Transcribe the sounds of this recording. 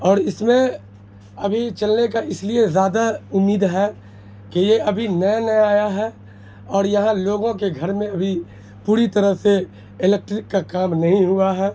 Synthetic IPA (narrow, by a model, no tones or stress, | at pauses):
ɔːɾɪsmẽ | ɐbʱit͡ʃɐlnekaʔɪsliezjaːd̪aʊmːiːd̪ɦɛː | kejeɐbʱinɐnɐjaːjaɦɛː | ɔːɾjɐɦãloːɡõkeɡʱɐɾmẽɐbʱi | puːɾit̪ɐɾəɦse | ɪleːk̚ʈɾɪkːakaːmnɐɦĩɦʊaɦɛː